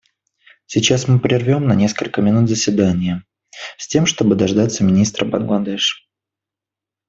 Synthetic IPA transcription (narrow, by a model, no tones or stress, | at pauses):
sʲɪt͡ɕasmɨpɾʲɪrvʲo̞mnɐnʲe̞skəlʲkəmʲɪnut̪zəsʲvʲɪd̪anʲɪjə | sʲtʲe̞mʂt̪o̞bɨd̪ɐʐd̪at̪sːəmʲɪnʲist̪ɾəbə̰nɡlˠɐd̪ɛʂ